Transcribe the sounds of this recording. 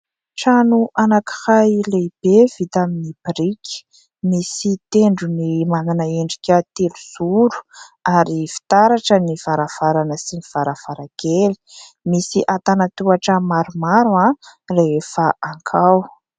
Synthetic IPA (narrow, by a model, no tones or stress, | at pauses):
ʈ͡ʂanuʔanaki̥hajleb̥ev̥it̪aminibiɾikʲi̥ | misit̪eɳɖ͡ʐunimananaeɳɖ͡ʐikʲət̪eluz̥uɾu̥aɾifi̥t̪aɾaʈ͡ʂəniv̥aɾav̥aɾanəsiniv̥aɾav̥aɾaɡ̥eli̥ | misiʔat̪anat̪uaʈ͡ʂəmaɾumaɾuareefaʔaŋkʰaw